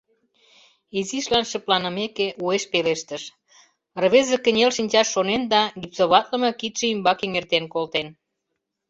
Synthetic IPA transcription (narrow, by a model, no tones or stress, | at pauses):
iziʃlɑnʃə̆plɑnəmekeʔueʃpeleʃt̪əʃ | rβezekə̆nʲelʃinʲt͡ɕɑʃːonend̪ɑɡipsoβɑt̪lə̆mɤ̆kit̪ʃĕymbɑkeŋert̪enkolt̪en